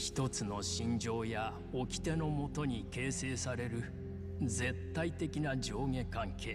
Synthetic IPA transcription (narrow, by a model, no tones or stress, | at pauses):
çi̥t̪o̞t͡sɨno̞ɕĩɲd͡ʑo̞ːja | o̞kʲi̥t̪e̞no̞mo̞t̪o̞ɲ̟ike̞ːse̞ːsaɾe̞ɾɯ̟ | d͡ze̞t̪ːait̪e̞kʲinad͡ʑo̞ːɡẽ̞kãŋkʰe̞ː